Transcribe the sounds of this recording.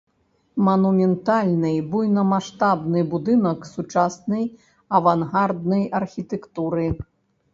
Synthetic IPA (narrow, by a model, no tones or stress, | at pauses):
mɐnumʲɛnt̪alʲnɨjbujnɐmaʂt̪abnɨbud̪ɨnɐksut͡ʂasnɐj | ɐvanɣard̪̚nɐjɐrxʲit̪ɛkt̪uɾɨ